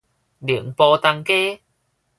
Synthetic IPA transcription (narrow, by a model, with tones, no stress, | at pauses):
li˨˩əŋpɔː˧t̪a˧ŋkeː˥